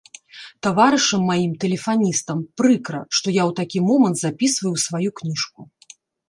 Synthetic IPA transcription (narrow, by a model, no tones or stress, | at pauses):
t̪avaɾɨʂɐmːajimt̪ɛlʲɛfanʲist̪ɐmpɾɨkɾɐʂt̪ɔjawt̪akʲimɔmɐnt̪zapʲisvɐjusvajuknʲiʂku